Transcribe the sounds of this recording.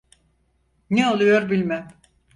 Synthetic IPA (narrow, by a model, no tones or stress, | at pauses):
neolˠujoɾbilʲmæm